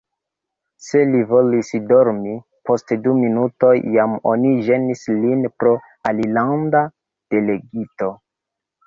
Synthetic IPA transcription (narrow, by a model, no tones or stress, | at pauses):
se̞livo̞lisdo̞ɾmi | po̞stduminuto̞jːamo̞̰niʒe̞nislinpɾo̞ | alilanda | d̥e̞le̞ɡito̞